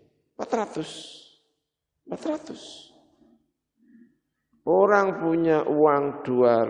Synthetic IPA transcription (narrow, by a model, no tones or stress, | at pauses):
pat̪ɾat̪ʊs | pat̪ɾat̪ʊs | oɾaŋpuɲaʔuwaŋɖ̪̥uaɾ